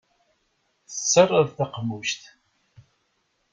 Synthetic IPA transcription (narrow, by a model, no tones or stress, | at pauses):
θət͡sːərˤːəðθaqmuʃt̪